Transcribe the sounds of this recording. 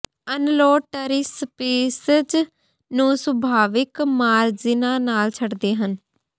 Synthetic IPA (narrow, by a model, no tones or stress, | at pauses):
ənlɔːʈəɾɪspeːsəd͡ʒ | nũːsəbʱaːʋɪkmaːɾzɪnãːnaːlt͡ʃʰəɽd̪eːɦən